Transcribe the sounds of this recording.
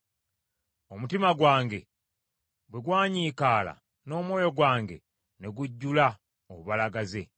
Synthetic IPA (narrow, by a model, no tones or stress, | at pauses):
o̞mutimaɡwaːŋɡe̞ | bweɡwaːɲiːkaːla̰ | no̞ːmwo̞ːjo̞ɡwaːŋɡe̞̰ | ne̞ɡuɟːula | oβuβalaɡaze̞